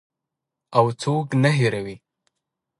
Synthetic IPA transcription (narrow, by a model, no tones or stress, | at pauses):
awt͡soknaɦeɾawi